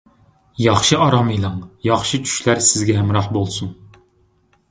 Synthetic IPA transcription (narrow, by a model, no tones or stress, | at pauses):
jɑχʃɨɑɾɑmijlˠɑŋjɑχʃɨt͡ʃʰy̥ʃlæɾsɪzɡʲɛɦɛmɾɑqbolˠsuŋ